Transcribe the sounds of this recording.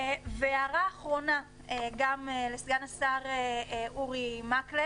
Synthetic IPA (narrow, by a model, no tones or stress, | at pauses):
veaʁaːχʁo̞na | eɡamelesɡanasaʁeʔuʁimakle